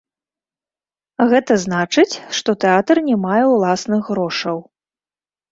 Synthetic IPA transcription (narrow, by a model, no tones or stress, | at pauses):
ɣɛt̪ɐznat͡ʂɨt͡sʲʂt̪ɔt̪ɛat̪ɐrnʲɛmajɛwlˠasnɨɣːɾɔʂɐw